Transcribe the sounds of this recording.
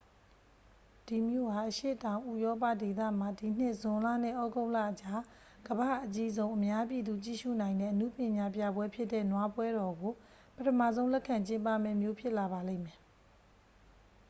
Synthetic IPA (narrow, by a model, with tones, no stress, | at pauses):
d̥i˨mjo̰˦˨ha˨ʔəʃḛ˦˨tã˨ʊ̃ʔu˦˨jɔ˦p̬a̰˦˨de˨t̪ä̰˦˨m̥a˨di˨n̥ɪ˦ʔz̥ʊ̃˨la̰˦˨n̥ɪ̰˦˨ʔɔ˦ɡo˦ʊ̃la̰˦˨ʔət͡ɕa˦ | ɡ̥əbä̰˦˨ʔət͡ɕi˦zõ˦ʊ̃ʔə˨mja˦p̬ji˨d̪u˨t͡ɕḭ˦˨ʃṵ˦˨nã˨ɪ̃ndɛ̰˦˨ʔənṵ˦˨pjɪ̃˨ɲa˨pja˦˨bwɛ˦pʰjɪ˦tːɛ˦˨nwa˦pwɛ˦ɾɔ˨ɡo˨ | pətʰə˨ma̰˦˨zõ˦ʊ̃lɛ˦ʔkʰã˨ɲt͡ɕɪ̃˦mpa̰˦˨mɛ̰˦˨mjo˦pʰjɪ˦ʔla˨βa˨lḛ̃˦˨mɛ˨